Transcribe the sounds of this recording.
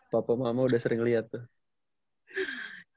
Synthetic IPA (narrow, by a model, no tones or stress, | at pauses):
papamamaudahsəɾɪŋliat̪ːʊh